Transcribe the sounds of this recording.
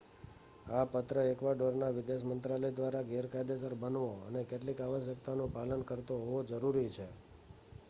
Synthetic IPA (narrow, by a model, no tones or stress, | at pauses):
apət̪ɾəekʋaɖoɾnaʋɪd̪eʃmənt̪ɾaləjd̪ʋaɾaɡeɾkajd̪esəɾbənʋoə̰nekeʈlikaʋəʃjəkt̪anũpalənkəɾt̪oɦoʋod͡ʒəɾuɾit͡ʃʰe